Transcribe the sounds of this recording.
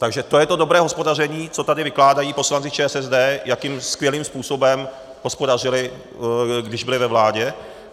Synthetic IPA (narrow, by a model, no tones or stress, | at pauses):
t̪aɡʒɛt̪o̞jɛt̪o̞do̞bɾɛːɦospo̞dar̝ɛɲiːt͡sot̪adɪvɪklaːdajiːpo̞slant͡sɪt͡ʃɛːsɛzdɛːjakiːmskvjɛliːmspuːso̞bɛm | ɦo̞spo̞dar̝ɪlɪ | ɡdɪʒbɪlɪvɛvlaːɟɛ